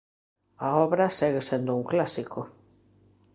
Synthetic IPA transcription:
ɐɔβɾɐsɛɣesend̪ʊuŋklasikʰʊ

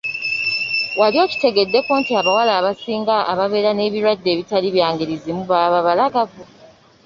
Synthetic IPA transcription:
walio̞ːci̥te̞ɡe̞dːe̞koːntiaβawalaːβasiːŋɡaʔaβaβe̞ːɾane̞ːβiɾwadːe̞ːβitaliβjaːŋɡiɾizimuβaβaβalaɡavu

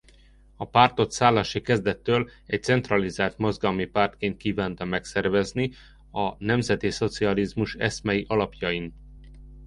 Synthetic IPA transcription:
ɒpaːrt̪o̞t̪saːlːɒʃikɛzd̪ɛt̪ːøːlɛc̚t̪sɛnt̪rɒlizaːlt̪mo̞zɡɒmipaːrt̪keːnt̪̚kiːvaːnt̪ɒmɛksɛrvɛzni | ɒnɛmzɛt̪iso̞t̪siɒlizmuʃɛ̰smɛjiʔɒlɒpjɒjin

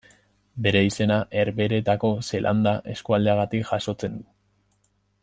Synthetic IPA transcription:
be̞ɾe̞ise̞naʔe̞ɾβe̞ɾe̞t̪ako̞se̞lʔa̰nd̪aʔe̞skuald̪eaɣ̞at̪ikʝaʃo̞t͡se̞nd̪u

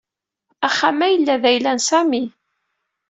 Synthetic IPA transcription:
æχːæmæjəlːæðæjlænsæmi

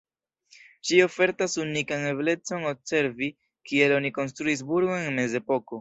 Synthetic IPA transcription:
ʃio̞fe̞ɾtasunikane̞ble̞t͡so̞no̞bse̞ɾvi | kie̞lo̞niko̞nstɾuis̬buɾɡoeŋme̞ze̞po̞ko̞

